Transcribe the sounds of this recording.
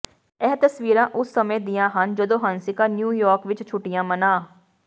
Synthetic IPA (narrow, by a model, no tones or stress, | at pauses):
ɛːt̪əsʋiːɾãːʔʊsːəmẽːd̪ɪjãːɦənd͡ʒəd̪õːɦənsɪkaːnjuːjɔːɾkʋɪt͡ʃt͡ʃʰʊʈːɪjãːmənaː